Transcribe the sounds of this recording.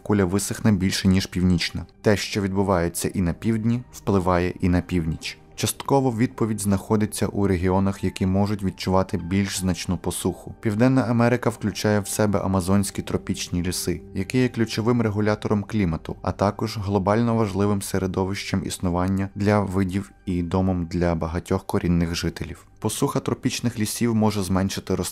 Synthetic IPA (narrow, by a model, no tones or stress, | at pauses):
kulʲɐʋɪsɪxnɛbʲilʲʃɛnʲiʃpʲiwnʲit͡ʃnɐt̪ɛʃt͡ʃɔʋʲid̪bʊʋɑjet͡sʲːɐ̰ʔinɐpʲiwd̪ʲnʲiwplˠɪʋɑjɛʔinɐpʲiwnʲit͡ʃ | t͡ʃɐst̪kɔʋɔʋʲid̪̚pɔʋʲidʲznɐxɔd̪ɪt͡sʲːɐʔuɾeɦʲiɔnɐxjɐkʲimɔʒʊtʲʋʲid̪̚t͡ʃʊʋɑt̪ɪbʲilʲʃznɐt͡ʃnupɔsuxʊpʲiwd̪ɛnːɐʔɐmɛɾɪkɐwklʲʊt͡ʃɑjɛwsɛbɛ̰ʔɐ̰mɐzɔnʲsʲkʲit̪ɾɔpʲit͡ʃnʲilʲisɪjɐkɪjɛklʲʊt͡ʃɔʋɪmreɦʊlʲat̪ɔɾɔmklʲimɐt̪ʊɐ̰t̪ɑkɔʒɦlˠɔbɑlʲnɔʋɐʒlˠɪʋɪmseɾed̪ɔʋɪʃt͡ʃɐmʔḭsnʊʋɑnʲːɐd̪lʲɐʋɪdʲiw | id̪ɔmɔmd̪lʲɐbɐɦɐtʲɔxkɔɾʲʔinːɪxʒɪt̪elʲiwpɔsuxɐt̪ɾɔpʲit͡ʃnɪxlʲisʲiwmɔʒɛzmɛnʲʃɪt̪ɪɾɔ